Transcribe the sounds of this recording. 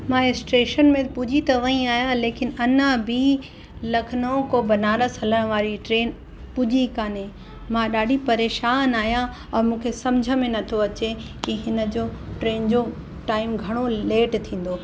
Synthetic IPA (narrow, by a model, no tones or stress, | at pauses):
mãɪsʈeːʃənmẽpʊd͡ʑit̪ɐʋɐ̃ĩaːjãleːkɪnɐnabi | lɐkʰnõkobɐnaːɾəsɐləɽ̃ə̆ʋaːɾiʈɾeːn | pʊd͡ʑikaːnẽ | mãɗaːɖʱipɐɾeːʃaːnaːɦjã | ɔːɾmũːkʰesɐmd͡ʑʱə̆mẽnɐt̪ʰoɐt͡ɕekiɦɪnə̆d͡ʑoːʈɾeːnd͡ʑo | ʈaːɪmɡʱɐɽ̃oleːʈt̪ʰĩːn̆d̪oː